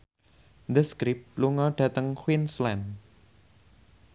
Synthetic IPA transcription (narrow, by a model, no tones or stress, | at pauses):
d̪əskɾɪp̚luŋɔɖ̥ä̤t̪əŋxwinslɛn